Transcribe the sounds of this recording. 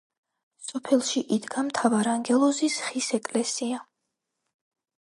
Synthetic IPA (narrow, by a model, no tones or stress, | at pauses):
sɔpʰɛlˠʃiʔid̪ɡamt̪ʰavaɾaŋɡɛlˠɔzisχisɛkʼlɛsia